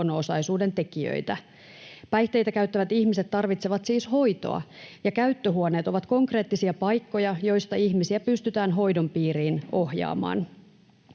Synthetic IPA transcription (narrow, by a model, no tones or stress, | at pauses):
noosɑjsuːde̞nt̪e̞kiø̰jt̪æ | pæjht̪e̞jt̪ækæyt̪ːæʋæt̪içmiset̪ːɑrʋit̪seʋɑt̪siːsho̞jt̪o̞̰ɑ̰jɑkæyt̪ːøɦuone̞ːt̪o̞ʋɑt̪ko̞ŋkre̞ːt̪ːisiɑpɑjkːo̞jɑjo̞jst̪ɑiçmisiæpyst̪yt̪æːnɦo̞jdo̞mpiːɾiːno̞hjɑ̰ːmɑ̰ːn